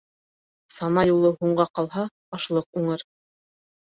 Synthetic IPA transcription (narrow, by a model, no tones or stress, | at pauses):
sɑnɑjulˠɤhuɴɢɑqɑlˠɦɑ | ɑʃlˠɤq̚uɴɤɾ